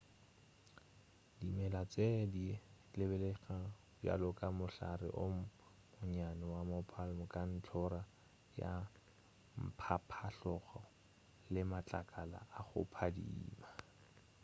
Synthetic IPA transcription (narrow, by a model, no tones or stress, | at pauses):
dimɛlat͡sedi | lɪbɛleɣa | bja̰lʊkʼamʊɬarɪ̰ʔʊ | mʊɲanɛwamʊpʰalmɔkʼan̩t͡ɬʰɔɾa | ja̰ | m̩pʰapʰaɬɔχɔ | lɪmat͡ɬʼakʼala̰aχʊ̰pʰadḭːma